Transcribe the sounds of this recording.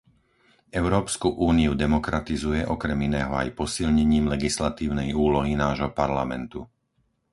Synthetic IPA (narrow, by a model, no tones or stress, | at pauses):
ɛʊɾɔːpskuʔuːniud̪ɛmɔkɾat̪izujɛʔɔkɾɛminɛːɦɔa̰jpɔsilɲɛɲiːmlɛɡislat̪iːʊnɛjuːlɔɦinaːʒɦɔpaɾlamɛnt̪u